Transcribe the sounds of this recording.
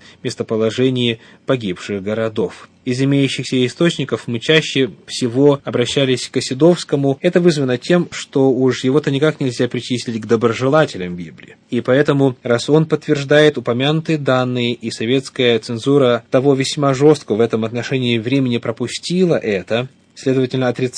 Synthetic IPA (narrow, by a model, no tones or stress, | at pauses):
mʲɪst̪əpəlˠɐʐɛnʲɪjɪ | pɐɡʲipʂɨxɡəɾɐd̪o̞f | ɪzɪmʲejʉɕːɪxsʲəɪst̪o̞t͡ɕnʲɪkəfmɨt͡ɕæɕːɪfsʲɪvo̞ɐbɾɐɕːælʲɪsʲkəsʲɪd̪o̞fskəmʊɛt̪əvɨzvənətʲe̞mʂt̪o̞ʊʂjɪvo̞t̪ənʲɪkaknʲɪlʲzʲapɾʲɪt͡ɕisʲlʲɪtʲɡd̪əbɾəʐɨlˠatʲɪlʲɪmbʲiblʲɪ̰ː | ipɐɛt̪əmʊraso̞npət̪ːvʲɪrʐd̪ajɪt̪ʊpɐmʲanʊt̪ɨjəd̪anːɨjɪʔisɐvʲe̞t̪skəjət̪sɨnzuɾət̪ɐvo̞vʲɪsʲmaʐo̞st̪̚kəvɛt̪əmɐt̪nɐʂɛnʲɪːvɾʲemʲɪnʲɪpɾəpʊsʲtʲilˠəʔɛt̪ə | sʲlʲe̞d̪əvətʲɪlʲnəɐt̪ɾʲɪt̪